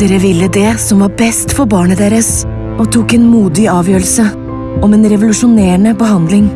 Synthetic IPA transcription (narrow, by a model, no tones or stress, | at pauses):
eɾəʋɪlːəd̪ɛsɔmʋɑːɾbɛst̪fɔɾbɑːɳəd̪eːɾəs | ɔt̪ʰuːkɛːnmuːd̪ɪɑːʋjøːɾəl̩sə | ɔmeːnɾɛʋʊlʉʂʊneːɳəbəɦɑnd̪lɪŋ